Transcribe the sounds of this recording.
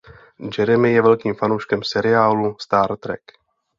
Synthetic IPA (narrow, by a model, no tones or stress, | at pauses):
d͡ʒɛɾɛmɪjɛvɛlkiːmfanowʃkɛmsɛɾɪaːlust̪aːɾt̪ɾɛ̰k